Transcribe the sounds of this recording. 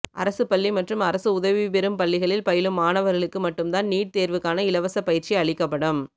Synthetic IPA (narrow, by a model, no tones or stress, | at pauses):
ʔɐ̰ɾɐsɯpɐɭːimɐʈrɯmɐɾɐsɯʊðɐʋipɛɾɯmpɐlːɪɣɐɭɪlpɐjɪlɯmːaːnɐʋɐɾɣɐɭɯkːɯmɐʈːɯmt̪aːnniːʈ̚t̪eːɾʋɯkːaːnɐɪlɐʋɐsɐpːɐjɪɾt͡ʃiɐɭɪkːɐpːɐɽɯm